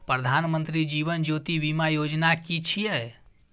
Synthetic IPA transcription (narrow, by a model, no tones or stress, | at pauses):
pɾəd̪ʱanmənt̪ɾid͡ʒiβənd͡ʒot̪ibimajod͡ʒnakit͡ʃʰijɛ